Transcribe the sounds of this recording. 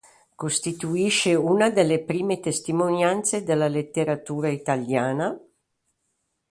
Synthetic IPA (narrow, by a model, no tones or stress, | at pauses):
kost̪it̪uiʃeuːnad̪elːepɾiːmet̪est̪imonjant̪sed̪elːalet̪ːeɾat̪uːɾait̪aljaːna